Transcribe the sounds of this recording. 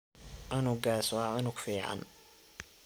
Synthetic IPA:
ʕʊnʊɡaːsɔʕʊnʊɡfiːʕɑ̰n

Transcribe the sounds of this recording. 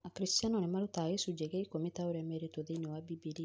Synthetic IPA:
akɾist̪janɔnɛmaɾut̪aɣesud͡ʒeɡeikomit̪auɾɛmɛɾit̪oðeinɛwabibili

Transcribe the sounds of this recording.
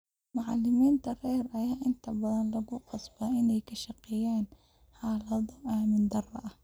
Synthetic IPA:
mʊʕɑlːɪmiːnt̪ʰɐrɛːɾɐjaːʔɪnt̪ʰɐbɐðɐnlɐɣʊqɑsbaɪnɛjkʰɐʃɑqɪjaːn | ħɑːlɐðɔʔaːmɪnd̪ɐrɐ̰ʔɐh

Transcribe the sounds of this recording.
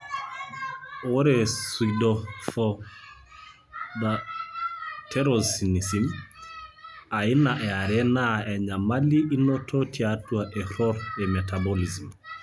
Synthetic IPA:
ɔɾɛsuidɔfɔ | ða | tʰɛɾɔsinisim | ainaʔɛaɾɛnaɛɲamaliʔinɔtʰɔtʰiatuaʔɛhɔɾɛmɛtabɔlizim

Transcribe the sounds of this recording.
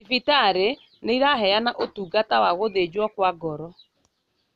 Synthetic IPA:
fitaɾe | neiɾaɦɛjanaʔotuːɡatawaɣoðed͡ʑwɔkwaɡɔɾɔ

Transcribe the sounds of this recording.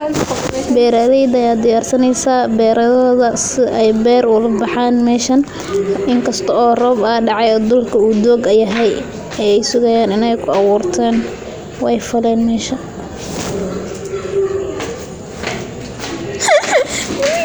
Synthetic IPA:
bɛːɾaðɛjd̪ɐjaːd̪ɪjaːrsɐnɛjsaːbɛːɾʔɐðɐðɐsɪɛjbɛːrʊlɐbɑħaːnmɛːʃɐn | ʔɪŋkʰɐst̪ʰɔɔːrɔːbɐːɖɑʕɑjɔːd̪ʊlkʰɐuːd̪ɔːɡɐjɐɦɛj | ɛɛjsʊɣɐjaːnɪnɛjkʰʊɑɣuːrt̪ʰɛːn | wɛjfɐlɛːnmɛːʃɐ

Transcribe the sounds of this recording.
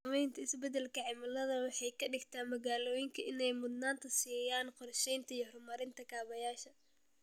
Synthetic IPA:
mɛjnt̪ʰɐɪsbɛd̪ɛlkʰɐʕɪmɐlɐðɐwɑħɑjkʰɐɖɪɡt̪ʰaːnmɐɣaːlɔːjɪŋkʰɐɪnɛjmʊd̪naːnt̪ʰɐsiːjaːnqɔrʃɛjnt̪ʰɐijɔhrʊmɐɾɪnt̪ʰɐkʰaːβɐjaːʃɐ

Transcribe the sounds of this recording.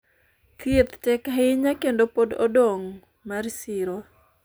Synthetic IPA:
ket̪tɛkaɪɲakendopodo̰doŋ | marsɪɾo

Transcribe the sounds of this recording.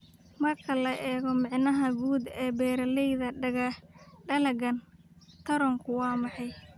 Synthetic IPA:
mɐrkʰɐlɐʔɛːɣɔmɪʕnɐɦɐɡuːd̪ɛːbɛːɾɐlɛjðɐɖɐɣɐɖɐlɐɡɐn | t̪ʰɐɾɔŋkʰʊwɑːmɑħɑj

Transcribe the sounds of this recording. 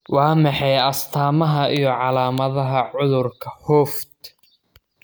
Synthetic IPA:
wɑːmɑħɑjɐst̪ʰaːmɐɦɐʔijɞʕɑlaːmɐðɐɦɐʕʊðʊrkʰɐhɔːfd̪

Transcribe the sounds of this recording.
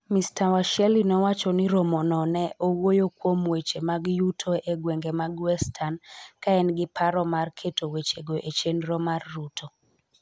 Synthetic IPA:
mistawaʃjɛlinɔwat͡ʃɔnɪɾomonɔnɛʔowojokwomwet͡ʃemaɡjutʰoeɡweŋɡemaɡwɛstʰankaɛnɡɪpʰaɾɔmarkʰetʰowet͡ʃeɡoʔet͡ʃenɾɔmarːutʰo

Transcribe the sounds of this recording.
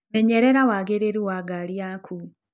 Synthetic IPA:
meɲeɾeɾawaɡeɾeɾiwaɡaljakʰu

